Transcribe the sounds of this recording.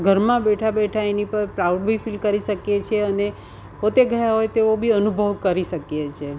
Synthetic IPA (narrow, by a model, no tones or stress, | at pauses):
ɡʱəɾmãbeʈʰabeʈʰaenipəɾpɾawɖbʱifilkəɾiʃəkjet͡ʃʰeəne | pot̪eɡʱəjaɦojt̪eobʱiənubʱəʋkəɾiʃəkjet͡ʃʰe